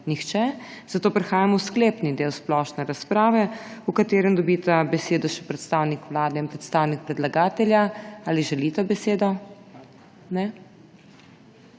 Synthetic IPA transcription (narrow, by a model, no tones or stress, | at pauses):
nixt͡ʃɛz̥at̪oːpɾɛxaːjamɔwskleːpnid̪eːwsplɔʃnɛɾaspɾaːʋɛukat̪eːɾɛnd̪ɔbiːt̪abɛseːd̪ɔʃɛpɾɛt̪st̪awnikʋlaːd̪ɛinpɾɛt̪st̪aːwnik̚pɾɛd̪laɡaːt̪ɛljaaːliʒɛlit̪abɛseːd̪ɔ | nɛ